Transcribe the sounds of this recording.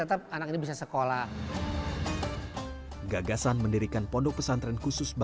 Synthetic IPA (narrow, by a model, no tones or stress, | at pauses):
ət̪əp̚anakinibis̬asəkola | ɡaɡasanməndiɾikanpɔndɔk̚pəsant̪ɾɛnkusʊsb